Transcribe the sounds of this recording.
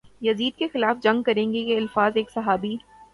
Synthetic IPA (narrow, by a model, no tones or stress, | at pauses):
jɐziːd̪̚kexɪlaːfd͡ʒɐ̃ŋɡ̚kɐɾẽːŋɡejeɐlfaːzeːksɐɦaːbiː